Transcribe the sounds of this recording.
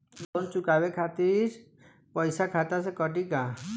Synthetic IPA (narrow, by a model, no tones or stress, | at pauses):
lont͡ʃukabekʰat̪iɾ | pɔjsakʰat̪as̬ekɔʈikã